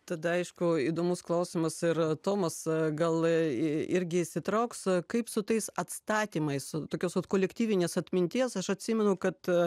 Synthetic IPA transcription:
t̪ɐd̪ɐɐɪʃkʊiːd̪oːmʊsklˠɐʊsʲɪmɐsɪrt̪oːmɐsɡɐlˠ | ɪɾʲɡʲɪɪʃʲsʲɪt̪ɾɐʊkskɐɪpsʊt̪ɐɪsɐt̪st̪ɑːt̪ʲiːmɐɪst̪oːkʲoːsʋɐt̪koːlʲɛkt̪ʲiːʋʲɪnʲeːsɐt̪ʲmʲɪnʲt̪ʲiːsɐʃɐt̪ʲsʲiːmʲɛnʊkɐt̪

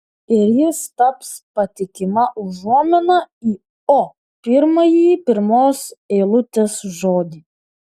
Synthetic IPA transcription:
ɪɾjɪst̪ɐpspɐt̪ʲɪkʲɪmɐʊʒuɔmʲɪnɐiː | o | pʲɪɾmɐjiːpʲɪɾmoːsɛːlˠʊt̪ʲeːsʒoːd̪ʲi

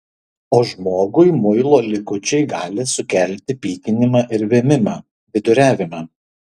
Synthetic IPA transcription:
oːʒmoːɡʊɪmʊɪlˠoːlʲɪkʊt͡ʃʲɛɪɡɑːlʲɪsʊkʲælʲt̪ʲɪpʲiːkʲɪnʲɪmɑːʔɪɾʋʲeːmʲɪmɑː | ʋʲɪd̪ʊɾʲæːʋʲɪmɑː

